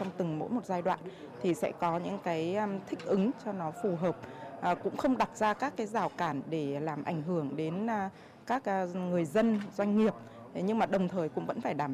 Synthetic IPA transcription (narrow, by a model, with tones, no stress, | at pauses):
ɔ˧ŋ͡mt̪ɨ˨˩ŋmo̰˧˥jmo˨˩t̚zaː˧jɗwa̰ː˧˨n | t̪ʰi˨˩sɛ̰˧˥kɔ˨˦ɲɨ̰˧˥ŋkaː˨˦jt̪ʰï˦˥k̟̚ʔɨ˨˦ŋt͡ɕɔ˧nɔ˨˦fu˨˩ɦəː˨˩p̚ːkʊ̰˧˥ŋ͡mxə˧wŋ͡mɗa˨˩t̚zaː˧kaː˦˥kːaː˨˦jzaː˧˩wkaː˧˩nɗe˧˩laː˨˩mʔa̰˧˩jŋ̟ɦɨ˧˩əŋɗe˨˦n˧ | kaː˦˥k̚ŋɨ˨˩əjzə˧nzwa˧jŋ̟ŋi˨˩əp̚ | ɲɨ˧ŋmaː˨˩ɗə˨˩wŋ͡mt̪ʰəː˨˩jkʊ̰˧˥ŋ͡mvə̰˧˥nfaː˧˩jɗaː˧˩